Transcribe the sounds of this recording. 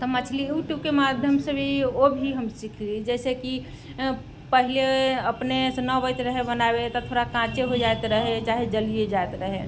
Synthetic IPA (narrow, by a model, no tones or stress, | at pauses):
t̪ɔmət͡ʃʰlijuʈjukemad̪ʱjəmsẽbʱiobʱiɦəmsikʰld͡ʒɛːseki | pəɦileəpnesẽnəbəjt̪ɾəɦebənabet̪ɔt̪ʰoɾakãt͡ʃeɦod͡ʒajt̪ɾəɦet͡ʃaɦed͡ʒəlijed͡ʒajt̪ɾəɦe